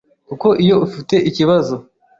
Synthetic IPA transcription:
kuko̞ʔijo̞ufite̞ʔiciβazo̞

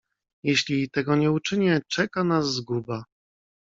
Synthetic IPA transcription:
jɛɕlʲit̪ɛɡɔɲɛut͡ʂɘɲɛt͡ʂɛkanazːɡuba

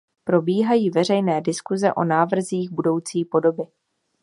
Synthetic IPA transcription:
pɾo̞biːɦajiːvɛr̝ɛjnɛːdɪskuzɛʔo̞̰naːvr̩ziːxbudo̞wt͡siːpo̞do̞bɪ

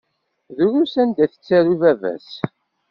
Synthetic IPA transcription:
ðuɾumsænd̪æθə̥t͡sːæɾuvævæ̰s

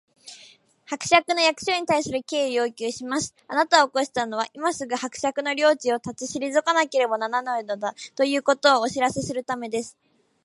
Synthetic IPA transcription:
hakɯ̟̥ɕakɯ̟no̞jakɯ̟̥ɕo̞ːɲ̟it̪aisɨɾɯ̟ke̞ːijo̞ːkʲɨːɕimaɕi̥anat̪aoːko̞ɕi̥t̪ano̞βaʔimasɨɡɯ̟hakɯ̟̥ɕakɯ̟no̞ɾʲo̞ːt͡ɕio̞t̪at͡siɕiɾʲizɨkanake̞ɾe̞bo̞nananainod̪at̪o̞jɯ̟ːko̞t̪o̞ːɕiɾase̞sɨɾɯ̟t̪ame̞d̪e̞sɨ̥

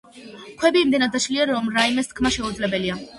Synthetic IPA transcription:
kʰwɛbiːmd̪ɛnad̪aʃliaɾɔmɾaimɛst̪̚ʰkʰmaʃɛud̪zlɛbɛlia

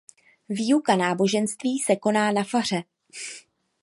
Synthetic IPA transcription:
viːukanaːbo̞ʒɛnst̪viːsɛko̞naːnafar̝ɛ

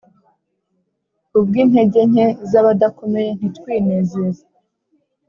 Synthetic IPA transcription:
ub̚ɡiːnhe̞ɟe̞ɲezaβadakumejen̥itkwiːnezeza

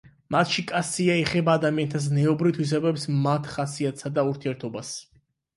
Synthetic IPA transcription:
mat̪ʰʃikʼat̪siaɛχɛbaːd̪amiant̪ʰas̬nɛɔbɾivt̪ʰwis̬ɛbɛpsmat̪ʰχasiat̪ʰsad̪auɾt̪ʰiɛɾt̪ʰɔbas

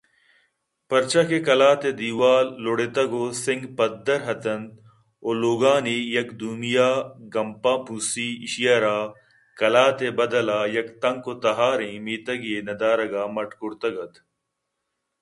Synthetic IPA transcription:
pɐɾt͡ʃɐkekɐlaːt̪ed̪iwaːlːoɽet̪ɐɡoːsɪŋɡpɐd̪ːɐɾɦɐt̪ɐnd̪ | oːloːɡaːniːjɐkd̪umijaːɡɐmpaːpusiiʃijɐːɾaː | kɐlaːt̪ebɐd̪ɐlaːjɐkt̪ɐŋkoːt̪ɐɦaːɾĩːmiːt̪ɐɡienɐd̪aːɾɐɡaːmɐʈkʊɾt̪ɐɡɐt̪

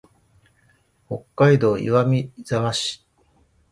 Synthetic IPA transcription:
ho̞kːaid̪o̞ːḭβamʲizamaɕi̥

